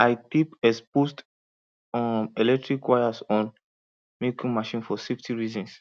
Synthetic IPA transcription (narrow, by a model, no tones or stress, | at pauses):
aɪkipɛspost | elɛk̚tɹikwajasɔ̃n | mekĩŋmaʃĩnfɔseftiɹizɔ̃ns